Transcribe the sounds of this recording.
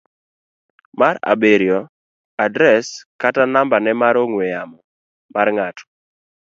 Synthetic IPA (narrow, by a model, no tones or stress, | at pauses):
maɾa̰beɾjɔ | adɾɛskatanambanɛmaɾoŋwejamɔ | marŋatʰɔ̥